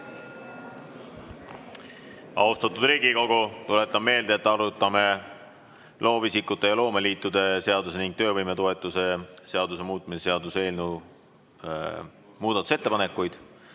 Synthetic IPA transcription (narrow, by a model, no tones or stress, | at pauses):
ɑ̰ust̪ɑt̪ːˑud̪ɾiːɡiko̞ɡut̪ule̞t̪ːˑɑme̞ːld̪eet̪ːˑɑɾut̪ːˑɑme̞ | lo̞ːvisikːˑut̪ˑːe̞jɑlo̞ːmeliːt̪ːˑud̪̥e̞se̞ɑd̪use̞niŋɡ̥̚t̪ø̞ːvɤjmet̪o̞e̞t̪ːˑuse̞se̞ɑd̪use̞muːt̪ˑmise̥se̞ɑd̪use̞ːlnu | muːd̪ɑt̪ːˑu̥se̞t̪ːe̞pɑne̞kːˑujd̪̥